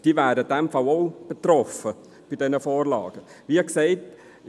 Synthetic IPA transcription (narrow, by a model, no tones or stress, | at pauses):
d̥iværdədɛmfɐwowb̥ətrɔfə | b̥idɛnəfoːrlɑ̰ːɡə | viːɛksejt